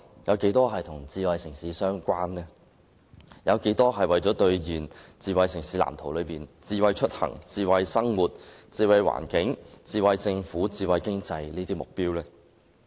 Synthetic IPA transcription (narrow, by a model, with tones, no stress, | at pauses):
jɐ˨˧wke˨˥jt̪ɔː˥ɦɐ˨jt̪ʰʊ˨˩ŋt͡siː˧wɐ˨˧jsɪ˨˩ŋsiː˨˧˥sœː˥ŋkʷaː˥nɛː˥ | jɐ˨˧wke˨˥jt̪ɔː˥ɦɐ˨jwɐ˨˩jt͡sɔː˨˥t̪ɵ˧ɥjiː˨˩nt͡siː˧wɐ˨˧jsɪ˨˩ŋsiː˨˥la̰ː˨˩mt̪ʰo˨˩wlɵ˨˧ɥpiː˨nt͡siː˧wɐ˧jt͡ʃʰɵ˥t̚hɐ̰˨˩ŋt͡siː˧wɐ˧jsɐ˥ŋwuː˨t̚t͡siː˧wɐ˧jwa̰ː˨˩nkɪ˨˥ŋt͡siː˧wɐ˧jt͡sɪ˧ŋfuː˨˥t͡siː˧wɐ˧jkɪ˥ŋt͡sɐ˧jliː˥t̪iː˥mʊ˨k̚piː˥wlɛː˥